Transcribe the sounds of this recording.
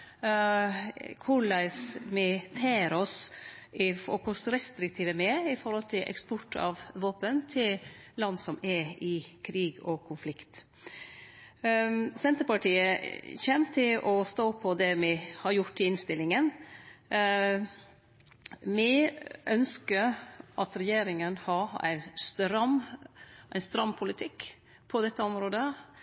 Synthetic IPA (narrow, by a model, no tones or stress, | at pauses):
kʰʊɭɑɪsmɪt̪ʰeːɾɔs | ɪfɔ̰kʰɔsɾɛst̪ɾɪk̚t̪ʰiːʋəmɛɪfɔɾhɔlt̪ʰɪlʔɛ̰kspɔʈʰːɑ̰ʋʋoːpənt̪ʰɪllɑnːsɔmɛɪkʰɾiːɡɔkʰʊnflɪkt̪ | sɛnt̪əɾpɑʈʰiːəçɛnt̪ʰɪlʔɔst̪oːpʰːɔd̪ɛmɪhɑɾjʊʈːɪɪnst̪ɪlɪŋən | mɪʔœnskəɾʔɑt̪ɾɛjeːɾɪŋənhɑæ̰ɪnst̪ɾɑm | ʔæɪst̪ɾɑmpʰʊlɪt̪ʰɪkː | pʰɔd̪ɛt̪ːəɔmɾoːd̪ə